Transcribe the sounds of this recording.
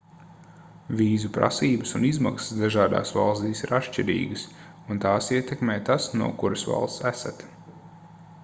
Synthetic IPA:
vʲiːzupɾa̰siːbəsunizmaksə̥sd̪aʒaːd̪a̰ːsva̰lˠst̪iːsiɾʔat̪ʃt͡ʃiɾḭːɡəs | unt̪aːsiɛt̪ɛkmeːt̪asnṵɔkuɾɐsva̰lˠst̪sæsat̪

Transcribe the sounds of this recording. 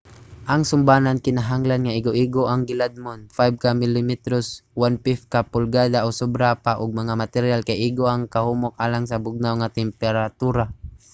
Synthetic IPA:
ʔaŋsʊmbaːnankɪnaɦaŋlanŋaʔɪɡoʔiɡoʔaŋɡɪlad̪̚mʊnfajb̚kamɪlɪmit̪ɾoswanpɪf̚kapʊlɡad̪aʔosʊbɾapaʔʊɡ̚maŋamat̪ɛɾjalkajʔiɡoaŋkahumʊk̚ʔaːlaŋsabʊɡ̚nawŋat̪ɛmpɛɾat̪uɾa

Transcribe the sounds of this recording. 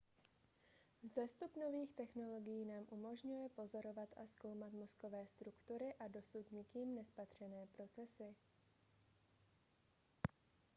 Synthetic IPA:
zɛst̪upno̞viːxt̪ɛxno̞lo̞ɡɪjiːnaːmʔumo̞ʒɲujɛpo̞zo̞ɾo̞vat̪ʔasko̞wmat̪mo̞sko̞vɛːst̪ɾukt̪uɾɪʔado̞sut̪ɲɪkiːmnɛspat̪r̝̥ɛnɛːpɾo̞t͡sɛsɪ

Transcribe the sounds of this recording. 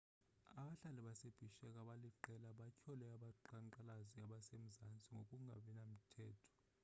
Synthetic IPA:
aɓaɬalɛɓaseb̥ʱiʃɛkʼaɓaliǃɛlaɓacʰɔlɛaɓaǃaŋǃalaziaɓasem̩zant͡sʼiŋɡokʼuŋɡʱa̰ɓinam̩tʰɛːtʰɔ̥

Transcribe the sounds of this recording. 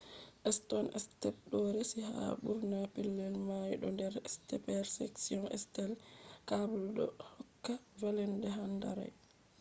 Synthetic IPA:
ʔɛstɔnʔɛ̰stɛlɗɔɾɛsiha̰ɓuɾnapilːɛlmajɗɔ̰ndɛɾɛstɛpɛɾsɛ̰ksiɔnɛ̰stɛlkabuldɔ̰hɔkːavalɛndɛɦanda̰ɾa̰j

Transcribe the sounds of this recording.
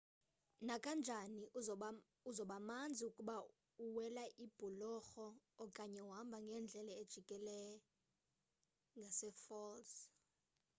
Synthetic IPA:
nakʼand͡ʒʱani | uzɔɓamand͡zʱiukʼuɓa | uwɛlaʔib̥ʱulɔxɔːkʼaɲɛwɦambʱaŋɡʱɛnd͡ɮʱɛlaed̥ʒ̥ʱikʼɛlɛj | ŋɡʱasɛfɔls

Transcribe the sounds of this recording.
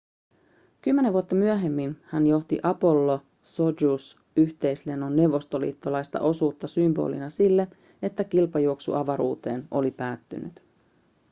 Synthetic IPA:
kymːe̞neʋuot̪ːɑmyøɦe̞mːinhænjo̞ht̪ḭʔɑpo̞lːo | so̞d͡ʒus | yçt̪e̞jsle̞nːonːe̞wʋo̞st̪o̞lḭːt̪ːolɑjst̪ɑ̰ʔo̞suːt̪ːɑsymbo̞̰ːlḭnɑsilːe̞ | e̞t̪ːækilpɑjuoksṵʔɑʋɑɾṵːt̪e̞̰ːno̞lipæːt̪ːy̰ny̰t̪

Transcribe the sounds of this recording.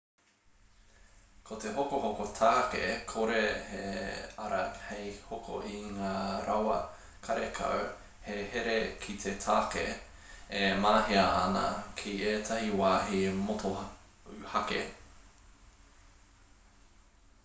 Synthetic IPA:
kʰot̪eɦokohokot̪ʰaːkḛkʰoɾeheɐɾɐhejhokʰo̰ʔiŋaːɾɐwɐ | kʰɐɾekʰɐ̰w | heheɾekʰit̪ʰet̪ʰaːkḛ | emaːɦiɐːnɐ̰kʰieːt̪ʰɐhiwaːɦimoto | ʉhɐkḛ

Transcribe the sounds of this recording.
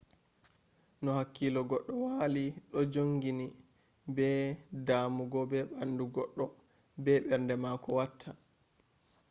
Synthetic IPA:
nɔhakːilɔɡɔɗːɔwaliɗɔd͡ʒoŋɡini | bɛdaːmuɡɔbɛɓanduɡɔɗːɔ | bɛɓɛɾndɛmakɔwatʰːa

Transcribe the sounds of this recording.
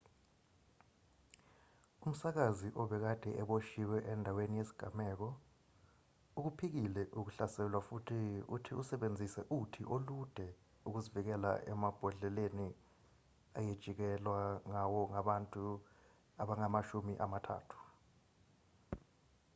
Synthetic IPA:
um̩sak̬aziʔɔɓɛk̬ad̥ʱɛʔɛɓoʃiwɛʔɛndʱawenijesi̥ɡ̥ʱamɛːk̬ɔ | uk̬upʰik̬ilɛʔuk̬uɬasɛɛlwafutʰiṵtʰiusɛɓend͡zʱisɛʔutʰiʔolud̥ʱɛ | uk̬uzivik̬ɛla̰ʔɛ̰mab̥ʱɔɮɛleni | ajed̥ʒ̥ʱik̬ɛlwaŋawɔŋaɓantʼu | aɓaŋamaʃumiʔamatʰa̰ːtʰu̥

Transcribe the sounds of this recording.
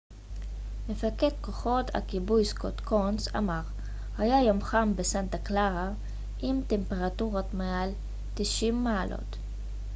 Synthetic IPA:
mefaket̪koχo̞tʰa̰kibujskot̪konsa̰maʁ | hajajomχambesant̪aklaʁa | ʔimt̪empe̞ʁatuʁot̪meal | t̪iʃimːaːlʔo̞̰t

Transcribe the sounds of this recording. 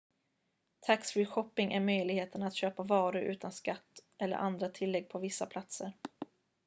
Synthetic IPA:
t̪ʰaksɾɪɧɔpːɪŋʔæɾmœjlɪɡheːt̪ənat̪ɕøːpavɑːɾɵʔʉ̟ːt̪anskat̪ːʔɛlːə̰ɾʔand̪ɾat̪ʰɪlːɛɡ̚pʰɔvɪsːapʰlat̪səɾ

